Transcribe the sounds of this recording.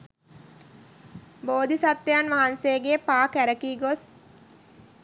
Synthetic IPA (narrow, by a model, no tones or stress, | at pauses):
boːd̪ʱisat̪ːejanʋaɦanseɡepaːkæɾəkiːɡos